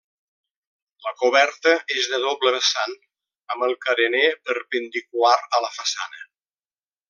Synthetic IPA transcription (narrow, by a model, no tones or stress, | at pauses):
ləkuβɛɾt̪əʔezðəðɔbləβəsan | əməlˠkəɾənepəɾpənd̪ikwaɾələfəsa̰nə